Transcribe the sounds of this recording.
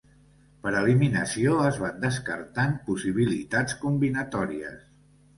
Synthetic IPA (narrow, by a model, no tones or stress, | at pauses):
pəɾəliminəsioəzβand̪əskəɾt̪anpusiβ̞ilḭt̪at͡skumbinət̪ɔɾiə̰s